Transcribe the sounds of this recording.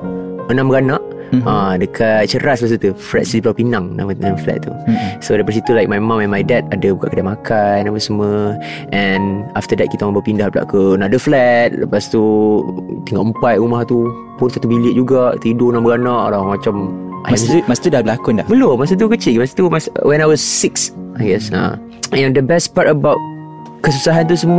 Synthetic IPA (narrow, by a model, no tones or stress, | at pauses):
ənãmbəɡanaʔ | adəkʰat̪̚t͡ʃəɾasmasut̪uflɛ̰t̪̚səiplapinaŋna̰mnamflɛ̰t̪̚t̪ːṵsodapasit̪ulajk̚majmãmɛ̃nmajdɛt̪̚adəbukaʔkədamakʰannapəsəmə̃ | ʔɛnaft̪ədɛt̪̚kit̪amabawpindahəpla̰ʔkənaʔdəflɛt̪̚ləpast̪u | t̪iŋɡɔʔk̚mpat̪̚ɾumaht̪u | pʊnsat̪ubiliəʔ̚d͡ʒuɡaʔt̪idonɔʔbəɡanɔʔlɔmat͡ʃam | ʔaɛmast̪udahbəlakʊndabəlomas̬ət̪̬ukət͡ʃilmasə̥t̪umaswɛ̃najwɔsːiksajɡɛsã̰ | ɛ̃ndəbɛstpatəbawt̚ | kəsusaɦant̪̬usəm